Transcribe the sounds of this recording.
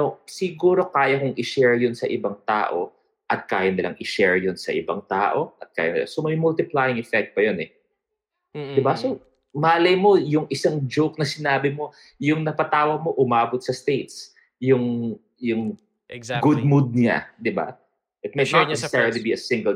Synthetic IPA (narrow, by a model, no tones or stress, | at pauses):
osɪɡuːɾo̞kaːjɐkʊŋʔɪʃɛɹjonsɐʔɪbɐŋt̪a̰ːʔo̞̰ | ʔɐt̪̚ka̰ːjɐnɪlɐ̰ŋʔɪʃɛɹjonsɐ̰ʔɪ̰bɐ̰ŋt̪aːʔo̞ʔɐt̪̚ka̰ːjɐnɪ̰la̰somɐjmʊlt̪ɪplajɪŋɛfɛk̚t̪̚pɐjonɛ | d̪ɪbaso | maːlɐjmo̞jʊŋʔɪsaŋd͡ʒowk̚nɐsɪnaːbɪmo̞ | jʊŋnɐpɐt̪aːwɐɡ̚mo̞ʔʊmaːbot̪̚sɐst̪ejt̪s | jʊŋ | jʊŋ | ɡʊd̪̚mud̪̚nɪa̰d̪ɪba̰ | ʔɪt̪̚mɐɪat̪ɛɹlibiɐsɪ̃ŋɡɛl